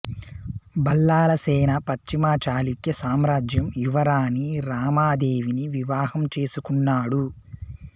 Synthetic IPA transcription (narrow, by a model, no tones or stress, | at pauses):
bɐlːaːlɐsɛːnɐpɐt͡ʃt͡ʃimaːt͡ʃaːlikjɐsaːmɾaːd͡ʒjɐmjuʋɐɾaːniɾaːmaːd̪e̞ːʋiniʋiʋaːhɐmt͡ʃe̞ːsukunːaːɽu